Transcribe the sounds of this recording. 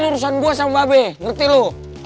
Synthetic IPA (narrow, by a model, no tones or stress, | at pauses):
nuɾus̬anbuasambabɛŋərt̪ilo